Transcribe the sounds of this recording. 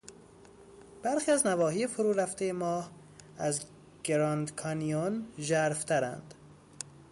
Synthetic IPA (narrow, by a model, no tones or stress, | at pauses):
b̥æɾxiːæznævɒːhiːjefoɾuːɾæft̪ejemɒːh | æz | ɡ̥eɾɒnd̪kʰɒnijonʒæɾft̪ʰæɾæ̰nd̪̥